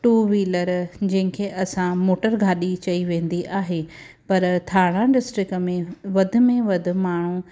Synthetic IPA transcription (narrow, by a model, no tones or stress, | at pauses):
ʈuːʋiːləɾd͡ʑɐ̃ɦɪ̃kʰeːʔɐsãmoːʈəɾɡʱaːɗit͡ɕɐiʋẽːnd̪iʔaːɦe | pɐɾt̪ʰaːɽ̃ãɖɪsʈɾɪkəmẽʋɐd̪ʱʊ̆mẽʋɐd̪ʱʊ̆maːɳ̤u